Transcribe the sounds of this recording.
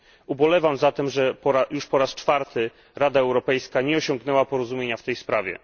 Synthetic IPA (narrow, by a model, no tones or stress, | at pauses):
ubɔlɛvamzat̪ɛmʐɛpɔɾajuʂpɔɾast͡ʂfaɾt̪ʰɘ | ɾad̪aɛwɾɔpɛjskaɲɛɔɕɔŋɡnɛwapɔɾɔzumʲeɲaft̪ɛjspɾavʲɛ̰